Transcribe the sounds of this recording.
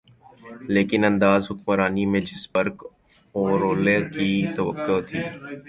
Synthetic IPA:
leːkɪnɐ̃nd̪aːzɦʊkmɾaːnimẽd͡ʒɪsbəɾk | ɔːɾoːlekit̪ɐʋə̰kːot̪ʰiː

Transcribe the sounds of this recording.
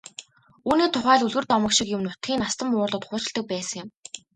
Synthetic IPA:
uːniːt̪ʰʊχæːɮuɮɣɘ̆rt̪ɔmə̆kʃikjʊmnʊt̪ɡʲiːnast̪ə̆mʊːrɮə̆t̪χʊːt͡ɕɪ̆ɮt̪ə̆k̚pæːsə̆ŋjɪ̆m

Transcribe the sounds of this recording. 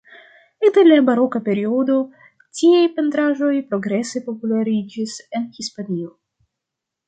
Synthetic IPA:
etelabaɾo̞kape̞ɾio̞do̞ | tiejpe̞ntɾaʒo̞jpɾo̞ɡɾe̞se̞po̞pulaɾid͡ʒise̞nhispanio̞

